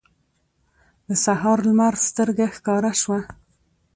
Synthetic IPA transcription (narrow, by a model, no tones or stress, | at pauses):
d̪əsaɦɑɾlmaɾst̪əɾɡaxkɑɾaʃwa